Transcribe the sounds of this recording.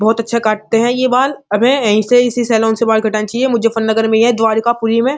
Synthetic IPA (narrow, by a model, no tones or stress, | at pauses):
bɔːt̪ɐtːʃʰakaːʈ̚t̪eɦɛ̃jebaːlɐbẽɐɦĩseɪsisɛːlɔ̃ːnsebaːlɡʱɐʈaːnt͡ʃaːiemʊd͡ʒʱefɐnːɐɡəɾmẽjɛ̃d̪ʋaːɾkapuɾimẽː